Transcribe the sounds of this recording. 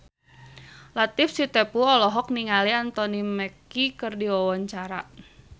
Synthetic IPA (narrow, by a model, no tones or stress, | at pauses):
lat̪ɪfsit̪ɛpuɔlɔɦɔk̚niŋaliant̪ɔnimɛkikərdiwɔwɔɲt͡ʃaɾa